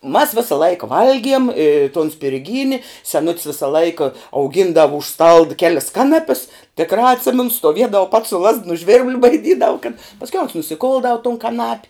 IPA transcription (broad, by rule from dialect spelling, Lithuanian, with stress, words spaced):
ʊ mɐs ˈʋʲɪsɐ ˈlˠɐɪkɐ ˈʋɐlʲɡʲiɛm ɪ toːn sʲpʲɪrʲˈɡʲiːnʲɪ sʲɛˈnʊtʲs ˈʋʲɪsɐ ˈlˠɐɪkɐ ɐʊˈɡʲɪndɐʋʊ ʊʃ stɐlˠt ˈkʲæːlʲɪs ˈkɑːnɐpʲɪs tʲɪkˈrɑː ɐtʲˈsʲɪmʲɛnʊ stoːˈʋʲiɛdɐw pɐts sʊ lˠɐst nʊ ʒʲʋʲɪrʲbʲlˠ bɐɪˈdʲiːdɐʋʊ kɐt pɐsʲˈkʲɛʊ oːns nʊsʲɪˈkʊlˠdɐʊ tʊn kɐˈnɐpʲ